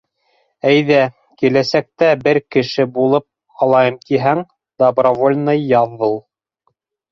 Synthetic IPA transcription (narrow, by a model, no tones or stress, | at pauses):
æjðæ | kilæsæk̚t̪æbɘɾkɘ̆ʃɘbulˠɤp̚ | ɑlˠɑjɤmk̪iɦæŋ | d̪obrovolʲnɤjːɑðːɤlˠ